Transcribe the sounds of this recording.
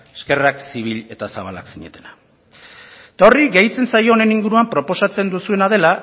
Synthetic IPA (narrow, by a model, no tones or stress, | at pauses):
eske̞raksiβ̞iʎe̞t̪asaβ̞ala̰ksiɲe̞̰t̪e̞na | t̪ao̞riɡejt͡se̞nsajo̞ːne̞niŋɡuɾuampɾo̞po̞sat͡se̞nd̪usue̞nað̞e̞la